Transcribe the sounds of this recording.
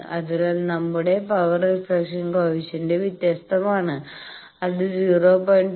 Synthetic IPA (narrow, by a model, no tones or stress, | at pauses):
ɐ̰ðiɾaːlnɐmːuɽe̞pɐʋɐrifrɐkʂɐŋɡɐʋiɕɐndeʋit̪jaːst̪ɐmaːɳɨ | ɐðɨd͡ʑiːroːpojɳɖ